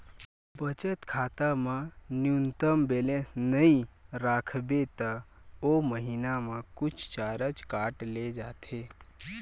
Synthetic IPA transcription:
bət͡ʃət̪kʰaːt̪amãnjunt̪əmbeːlẽsnəĩɾaːkʰbet̪aoməɦinamãkʊt͡ʃʰt͡ʃaːɾət͡ʃkaːʈled͡ʒaːt̪ʰeː

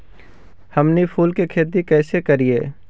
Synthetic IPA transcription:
hɐmnipʰuːlkekʰeːt̪̬ikɛːsekɐɾieː

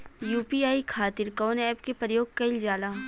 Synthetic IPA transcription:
juːpiaːikʰaːt̪ɪɾkɔːnɛːpkepɾəjoːɡ̚kɐɪld͡ʒaːlaː

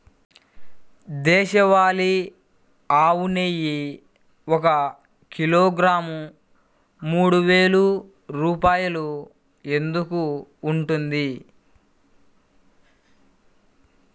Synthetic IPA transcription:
d̪ɛːʃɐʋaːli | aːwunejːi | ɔkɐ | kiloːɡɾaːmu | muːɽuʋe̞ːlu | ɾuːpaːjɐlu | e̞nd̪ukuːɳʈund̪i

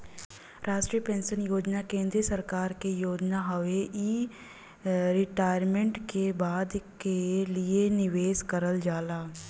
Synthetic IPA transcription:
ɾʔaːʃʈɾiːjəpẽːnʃənjoːd͡ʒnakẽːnd̪ɾiəsəɾkaːɾkejoːd͡ʒnaɦəʋeʔiː | ɾɪʈaːjɾmẽɳʈkebaːd̪kelienɪʋeːskəɾəld͡ʒaːlaː

